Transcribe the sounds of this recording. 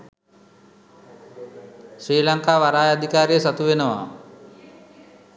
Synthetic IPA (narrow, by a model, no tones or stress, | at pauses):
sɾiːlaŋkaːʋaɾaːjad̪ʱikaːɾijəsat̪uʋenəʋa̰ː